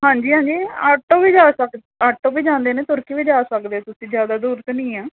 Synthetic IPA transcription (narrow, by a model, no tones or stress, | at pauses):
ɦãːɲd͡ʒiːɦãːɲd͡ʒiːaʈːõːʋiːd͡ʒaːsək | aʈːõːʋiːd͡ʒãːnd̪eːnẽːt̪ʊɾkiːʋiːd͡ʒaːsəkd̪eːɛːt̪ʊsĩːd͡ʒjaːd̪aːd̪uːɾt̪nĩːaː